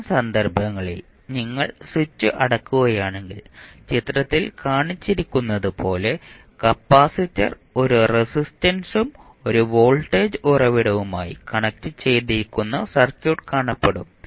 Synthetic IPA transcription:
sɐnd̪ɐrbʱɐŋːɐɭḛ | niŋːɐɭsut͡ɕːɨʔɐɽɐkːuɣɐjaːɳe̞ŋɡilt͡ɕit̪ːɾɐt̪ːilkaːɳit͡ɕːiɾikʲːunːɐðupo̞ːle̞ | kɐpːaːsitːɐ̰r | o̞ɾuresistɐnsum | o̞ɾuʋo̞ːɭʈːe̞ːd͡ʑɨʔurɐʋiɽɐʋuma̰ːjḭkɐɳɐk̚tːɨt͡ɕe̞jt̪iɾikʲːunːɐsɐrt͡ɕuːʈkaːɳɐpːeɽum

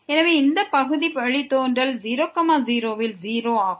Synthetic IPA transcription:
ɛnɐʋeːɪnd̪ɐpɐɣɯðipɐɻit̪ːoːnrɐlziːɾoːkːɐmaːziːɾoːʋɪlziːɾoːaːɣɯ

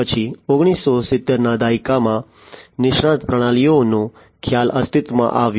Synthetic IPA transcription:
ət͡ʃʰioɡɽ̃isːosɪt̪ːeɾnad̪aikamã | nɪʃɳãt̪pɾəɽ̃alijonũ | kʰjalʔəst̪ʰɪt̪mã̰ʔaʋj

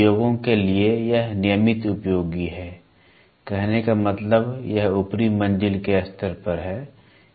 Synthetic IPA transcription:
joːɡõkeliejɐɦnɪjəmɪt̪ʊpjoːɡiɦɛː | kɛɦnekamɐt̪ləbjɐɦʊpɾimɐ̃nd͡ʒɪlkeɐst̪əɾpɐɾɦɛː

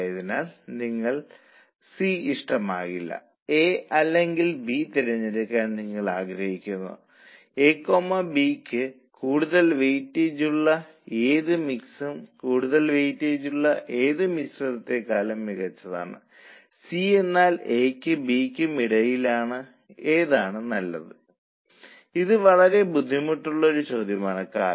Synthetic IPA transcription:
jɐðinaːlniŋːɐɭ | siiʂʈɐma̰ːɣilːɐ̰ | eːɐlːe̞ŋɡilbit̪iɾɐɲːiɾɐkːaːnniŋːɐɭaːɡɾɐhikʲːunːɐ̰ðɨ | eːkːomɐbiːkːɨ | kuːɽuðɐlʋejtːeːd͡ʑuɭːɐ | eːðɨmiksumkuːɽuðɐlʋejtːeːd͡ʑuɭːɐʔe̞ːðɨmisrɐðɐt̪ːe̞kaːlɐmːiɣɐt͡ɕːɐða̰ːɳɨ̰ | sie̞nːaːle̞ːkːɨbiːkʲːɨmiɽɐjilaːɳɨ | e̞ːðaːɳɨnɐlːɐ̰ðɨ | iðɨʋɐɭɐɾe̞bud̪ʱːimuʈːuɭːɐoɾut͡ɕoːd̪ʱjɐmaːɳɨkːa̰ːlɐ

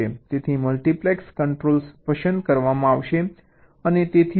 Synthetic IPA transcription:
et̪et̪ʰiməlʈiplekskəɳʈɾolspəʃənd̪kəɾʋamãaʋʃe | ənet̪et̪ʰi

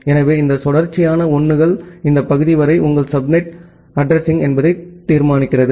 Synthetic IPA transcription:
ɛnɐʋeːɪnd̪ɐsɔɽɐɾt͡ʃːɪjaːnɐɔɳːɯɣɐɭɪnd̪ɐpɐɣɯðɪʋɐɾɐɪʔʊŋɡɐɭsɐbmɪʈ | ɐɖɾɛsɪŋɛnbɐðɐɪt̪ːiːɾmaːnɪkːɪrɐðɯ

